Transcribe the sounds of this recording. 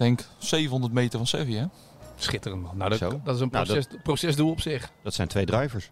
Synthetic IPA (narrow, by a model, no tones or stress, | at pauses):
ɛŋksejvənɦɔndərtmejtərvɔnsɛviɛ | sχɪtərəntmɔnnasdɔtɪsənnɛprosɛsduɔpsɪχd̥ɑtsɛjntʰʋejdrœjvəɹs